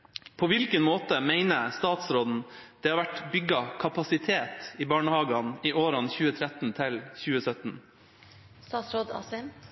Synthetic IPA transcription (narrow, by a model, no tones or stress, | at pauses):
pʰoːʋɪlkənmoːt̪əmæɪnəst̪ɑːt̪sɾoːd̪n̩d̪̥ɛːhɑɾʋæʈbʏɡɑkʰɑpɑsɪt̪ʰeːt̪iːbɑːɳəhɑːɡɑniːʔoːɾɑnçʉːət̪ʰɾɛt̪n̩t̪ʰɪlçʉːəsœt̪n̩ | st̪ɑːt̪sɾoːd̪ɑ̰sɛm